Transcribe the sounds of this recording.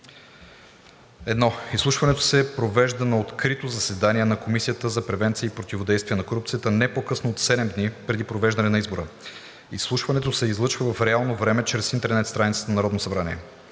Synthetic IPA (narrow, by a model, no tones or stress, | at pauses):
ɛd̪nɔislˠuʃvɐnɛt̪o̥sɛpɾovɛʒd̪ənɐot̪kɾit̪ozɐsɛd̪aniɛnɐkomisijət̪əzɐpɾɛvɛnt̪sijəipɾot̪ivod̪ɛjst̪viəɛnɐkoɾup̚t̪sijət̪ənɛpokɤsnoot̪sɛd̪ɛmd̪nipɾɛd̪ipɾovɛʒd̪ɐnɛnɐizboɾə | islˠuʃvɐnɛt̪osɛizlˠɤt͡ʃvəvɐfɾɛalˠnovɾɛmɛt͡ʃɾɛsint̪ɛɾnɛt̪st̪ɾanit̪sə̥t̪ənɐnɐɾɔd̪nosɐbɾanḭɛ